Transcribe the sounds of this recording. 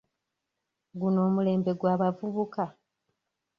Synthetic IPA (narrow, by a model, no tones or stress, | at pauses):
ɡuno̞ːmule̞ːmbe̞ɡwaːβavuβuka